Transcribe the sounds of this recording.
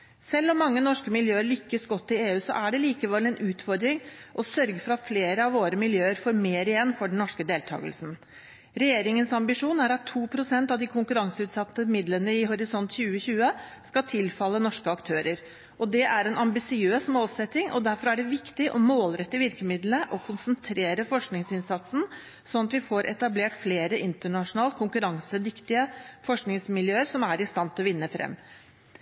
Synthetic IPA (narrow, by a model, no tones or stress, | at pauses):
sɛlːɔmːɑŋːənɔʂkəmɪljøːəɭʏkːəsɡɔt̪ːɪeːʉːsɔ̰ʔæɖɛliːkəʋɛlːɛnʔʉːt̪fɔɾd̪ɾɪŋʔɔsœɾɡəfɾɑt̪fleːɾəɑʋoːɾəmɪljøːəɾfɔɾmeːɾɪjɛnːfɔɖɳ̩n̩nɔʂkəd̪eːlt̪ʰɑ̰ːɡə̰lsn̩ | ɾɛjeːɾɪŋənsɑmbɪʂuːnæɾɑt̪ʰːuːpʰɾʊsɛnt̪ɑʋd̪ɪkʰʊŋkʉɾɑŋsəʉːt̪sɑt̪ːəmɪd̪lənəɪɦʊɾɪsɔnt̪çʉːəçʉːəskɑt̪ʰɪlfɑlːənɔʂkəɑkt̪ʰøːɾəɾ | ɔd̪ɛʔæɾɛnɑmbɪsɪøːsmoːlsɛt̪ːɪŋʔɔd̪æɾfɔɾæɖɛʋɪkt̪ɪʔɔ̰moːlɾɛt̪ːəʋɪɾkəmɪd̪lnəʔɔkʰʊnsənt̪ʰɾeːɾəfɔʂknɪŋsɪnsɑt̪sn̩ | sɔnɑt̪ʋɪfoːɾʔɛ̰t̪ɑbleːʈfleːɾəʔɪnt̪əɳɑʂʊnɑːlt̪̚kʰʊŋkʉɾɑŋsəd̪ɪkt̪ɪəfɔʂknɪŋsmɪljøːəɾsɔmæɾɪst̪ɑnt̪ʰlɔʋɪnːəfɾɛ̰mː